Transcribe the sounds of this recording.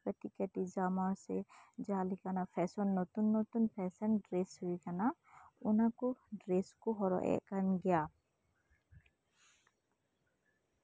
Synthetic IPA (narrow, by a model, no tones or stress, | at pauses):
kət̪ikəʈid͡ʒamasɛd͡ʒalikanapʰɛsɔnːɔt̪unːɔt̪unpʰɛsɛnɖɾesɦuikanaunakuɖɾeskoɦɔɾɔ̰ʔɛ̰ʔkanɡɛja